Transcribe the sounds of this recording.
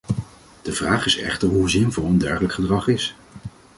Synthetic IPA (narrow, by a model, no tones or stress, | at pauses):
d̥əvraːχɪsɛ̰χtəɹɦuzɪnvʊlˠəndɛɹχələkχədrɑχɪs